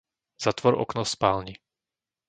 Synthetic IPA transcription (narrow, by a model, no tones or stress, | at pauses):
z̥at̪ʋɔɾɔ̰knɔspaːlɲi